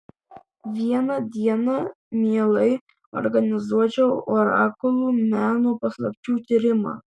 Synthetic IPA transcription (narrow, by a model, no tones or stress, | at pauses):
ʋʲiɛnɐd̪ʲiɛnɐ | mʲiːlˠɐɪ | ɔ̰ɾɡɐnʲɪzuɔt͡ʃʲɛwoːɾɑ̰ːkʊlˠuːmʲæːnoːpɐslˠɐpʲt͡ʃʲuːt̪ʲiɾʲɪmɑ̰ː